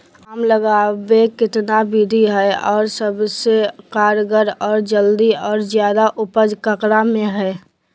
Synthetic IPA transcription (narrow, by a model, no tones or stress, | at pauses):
ɦəmləɡabekɪt̪nabid̪ʱiɦɛɔːɾsəbsekaːɾɡəɾɔːɾd͡ʒəld̪iɔːɾzjaːd̪aʔʊpəd͡ʒkəkɾamẽɦɛ